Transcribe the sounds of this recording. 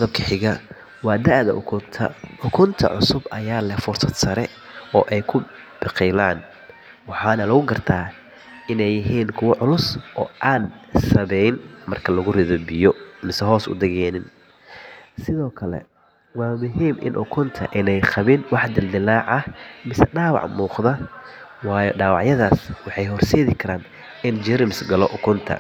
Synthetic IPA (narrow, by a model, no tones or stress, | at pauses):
ðɐb̚kʰɐħɪɣɐ | wɑːd̪ɐʕðɐ̰ʔʊ̰kʰʊnt̪ʰɐ̰ʊkʰʊnt̪ʰɐ̰ʕʊ̰sʊbɐjaːlɛfʊrsɐd̪sɐɾɛ | ɔːʔɛjkʰʊ | b̥ɪqɛjlaːn | wɑħɑːnɐlɐɣʊɡɐrt̪ʰaː | ɪnɛjɪɦiːnkʰʊwɐʕʊlʊsʔɔːʔaːnsɐβɛjɪnmɐrkʰɐlɐɣʊrɪðɔbɪjɔmɪsɛɦɔːsʊ̰d̪ɛɣɛːnɪn | sɪðɔːkʰɐlɛ̰ | wɑːmʊɦiːmʔɪ̰nʔʊkʰʊnt̪ʰɐ̰ʔɪnɛjqɐβɪnwɑħd̪ɪld̪ɪlaːʕɐmɪsɛɖaːwɑ̰ʕmuːqðɐwɑːjɔɖaːwɑʕjɐðaːswɑħɑjɦɔrsɛːðɪkʰɐɾaːn | ɪnd͡ʒɛɾmɪsɡɐlɔʔʊkʰʊnt̪ʰɐ̰